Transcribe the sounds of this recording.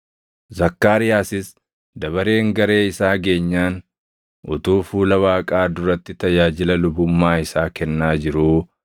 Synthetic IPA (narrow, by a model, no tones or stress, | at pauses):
zɐkːaːɾɪjaːsɪs | d̪ɐβɐɾe̞ːŋɡɐɾe̞ːɪsaːɡe̞ːɲːaːn | ʔʊt̪uːfuːlɐwaːkʼaːd̪ʊɾɐt̪ːɪt̪ɐjaːd͡ʒɪlɐlʊbʊmːaːɪsaːkɛnːaːd͡ʒɪɾuː